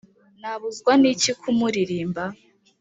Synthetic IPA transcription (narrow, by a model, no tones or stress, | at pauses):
naβuzɡwanicikʰumuɾiɾiːmba